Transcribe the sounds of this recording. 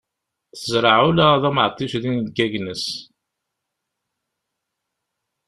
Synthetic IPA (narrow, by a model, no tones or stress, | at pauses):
θəzɾˤɑʕulæðæmʕət̪ˤːisðinɡːæʝnəs